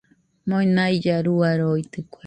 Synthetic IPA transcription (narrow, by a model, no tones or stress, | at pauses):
moinaid͡ʒaɾuaɾoit̪ɨkʷa